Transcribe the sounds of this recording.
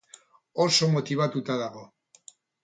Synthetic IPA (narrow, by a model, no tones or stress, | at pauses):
oso̞mo̞t̪iβ̞at̪ut̪aðaɣo̞